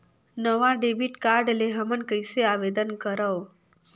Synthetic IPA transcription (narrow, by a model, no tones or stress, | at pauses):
nəʋaɖebiʈkaɾɖleɦəmənkəjseaʋed̪ənkəɾao